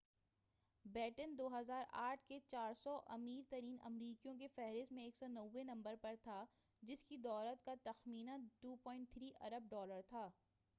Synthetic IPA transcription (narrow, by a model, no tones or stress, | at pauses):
bɛːʈənd̪oːɦɐzaːɾaːʈʰket͡ʃaːɾsɔʔɐ̰miːɾt̪ɐɾiːnɐ̰mɾiːkijõkefɛɦɾɪst̪mẽeːksɔnɐʋːenɐ̃mbəɾpɐɾt̪ʰa | d͡ʒɪskid̪ɔːɾət̪̚kat̪ɐxmiːnãʈuːpɔːɪ̃ɳʈ̚t̪ʰɾiːʔɐ̰ɾəb̚ɖɔːləɾt̪ʰaː